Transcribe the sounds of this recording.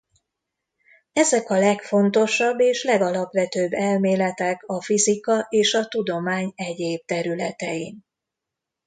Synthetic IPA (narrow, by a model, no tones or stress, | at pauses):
ɛzɛkɒlɛkfo̞nt̪o̞ʃɒbːeːʃlɛɡɒlɒpʋɛt̪øːbːɛlmeːlɛt̪ɛkɒfizikɒʔeːʃɒt̪ud̪o̞maːɲɛɟeːb̚t̪ɛɾylɛt̪ɛjin